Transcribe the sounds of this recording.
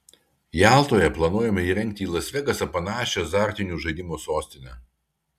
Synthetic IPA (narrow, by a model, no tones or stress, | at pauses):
jæˑlˠt̪oːjɛplˠɐnuɔjɛmʲɛiːɾʲɛŋʲk̚t̪ʲiiːlˠɐsʲʋʲɛɡɐsɐpɐnɑːʃʲoːsɑˑɾʲt̪ʲɪnʲuːʒɐɪd̪ʲɪmoːsoːsʲt̪ʲɪnʲɛ